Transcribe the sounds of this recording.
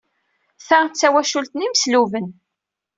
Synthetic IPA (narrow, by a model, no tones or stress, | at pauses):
θæt͡sːæwæʃult̪niməsluvən